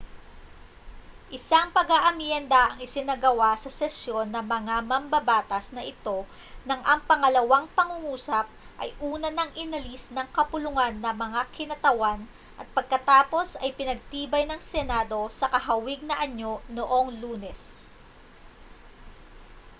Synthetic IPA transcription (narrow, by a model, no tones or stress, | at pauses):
ʔɪsaŋpɐɡaʔɐmjɛnd̪ɐʔɐŋɪsɪnɐɡɐwasɐsɛsjo̞nːɐmɐŋamɐmbɐbaːt̪ɐsnɐʔɪt̪o̞ | nɐŋʔɐŋpɐŋɐlɐwaŋpɐŋʊŋuːsɐp̚ | ʔɐ̰jʔuːnɐnɐŋʔɪnɐlisnɐŋkɐpʊlʊŋanːɐmɐŋakʰɪnɐt̪ɐwan | ʔɐt̪̚pɐɡ̚kɐt̪aːpo̞sɐjpɪnɐɡ̚t̪iːbɐjnɐŋsɛnad̪o̞sɐkɐɦɐwɪɡ̚nɐʔɐɲo̞no̞ʔo̞ŋluːnɛs